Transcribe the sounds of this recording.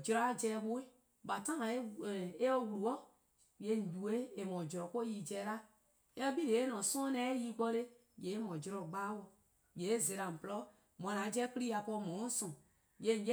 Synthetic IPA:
d͡ʒɾɔ˦a˦d͡ʒɛ˧˦bo˦e˦ | ba˨tã˦ã˨˦˨e˦ɔ˦wu˨lu˨ɔ˦ | je˦n̩˨d͡ʒu˨e˦e˨mɔ̃˨d͡ʒɾɔ˨ko˦ji˦d͡ʒɛ˧˦˨la˦ | e˦ɔ˦bi˦le˨e˦nɔ̃˨sɔ̃˦nɛ̃˦ji˦ɡ͡bɔ˧le˦ | je˨˦e˦mɔ̃˨d͡ʒɾɔ˨ɡ͡ba˦wɔ˧ | je˨˦ze˨ɾã˨m̩˨plɔ˦ | mɔ̃˨lã˨˦d͡ʒɛ˦kɾi˦a˨pɔ˧mɔ̃˨˦sɔ̃˨ | je˦˨n̩˨˦d͡ʒe˦

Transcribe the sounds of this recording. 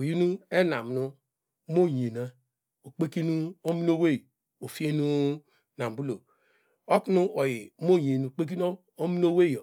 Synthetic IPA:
u˨ji˦nu˦e˦na̰˨m˨nu˦ | mo˦˨ɲ˨e˨na˦ | o˨k͡pe˦ki˦nu˦o˦mi˦n˦o˦we˦˨ | o˨fi˦e˦nu˦ | na˨m˨bu˦lo˨ | o˦ku˦nu˦ʔo˨ji˨˦mo˦˨je˨nu˨k͡pe˦k̬i˦n˦ | o˦mi˦n˦o˦we˦˨jo˨

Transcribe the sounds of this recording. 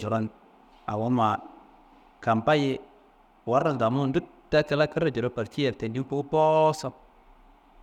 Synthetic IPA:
d͡ʒo˨ɾo˦n | a̰˨wo˦nma˨ | ka˨mpa˦je˦ | wa˨˦ɾa˨da˨mu˦˨ndu˦ | tːa˦ti˦la˦kə˦ɾa˨d͡ʒo˨ɾo˦pa˨ɾti˦jɛ˨ɾte˨ndi˦mpo˦po˦sa˦m

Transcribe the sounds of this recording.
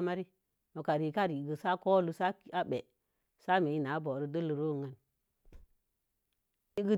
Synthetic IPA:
ma˦ɾi˦ | mo˨ka˨ɾi˨ka˦˨ɾi˨ɡə˨sa˦ko˦lu˦sa˦ki˦a˦ɓe˨ | sa˦me˨i˦na˨˦bo˨ɾə˦də˦lu˨ɾo˦˨ŋa˨n | i˦ɡə˦

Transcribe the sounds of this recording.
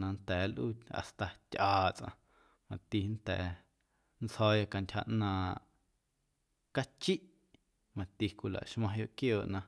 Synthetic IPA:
nã˧nt̪ɛː˨˦lʔu˦a̰˨st̪a˨tʲʔaː˨t͡sʔã̰˧ | mã˨t̪i˧nt̪ɛ̰ː˨˦ | nt͡shɔː˦ja˧ka˧ntʲha̰˧ʔnãː˧ | ka˦t͡ʃi˦ʔ | mã˨t̪i˧kʷu˧la̰˨ʔʃmã˧jo˧ʔkjoː˨ʔnã˧

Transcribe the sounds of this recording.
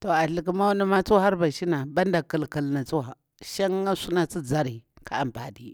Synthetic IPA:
to˨a˨ɬi˨k̬i˦ma˦wni˦ma˦t͡su˦a˦ha˦ɾba˨ʃi˦na˨ba˦nda˨ki˨lki˨lna˨t͡su˦wa˨ | ʃa˦ŋa˦su˦na˨t͡si˦d͡za˦ɾi˨ | ka˦a˨mba˨di˨

